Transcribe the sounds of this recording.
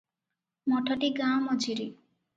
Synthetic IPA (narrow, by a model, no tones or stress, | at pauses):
mɔʈʰɔʈiɡamɔd͡ʒiɾi